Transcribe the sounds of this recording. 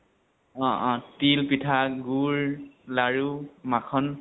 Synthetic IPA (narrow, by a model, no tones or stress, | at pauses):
ɔ̃ʔɔ̃tilpitʰaɡuɹlaɹumakʰɔn